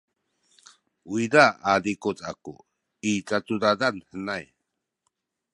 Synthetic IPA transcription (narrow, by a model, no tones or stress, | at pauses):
uidaadikut͡saku | it͡satudadanhənaj